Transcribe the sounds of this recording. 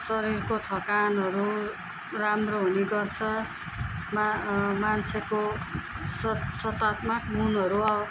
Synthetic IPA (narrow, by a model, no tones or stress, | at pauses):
sʌɾirkot̪ʰʌkanʌɾu | ramroɦuniɡʌrt͡sʰʌ | mmant͡sʰeko | ssʌt̪at̪mʌk̚munɦʌɾuaw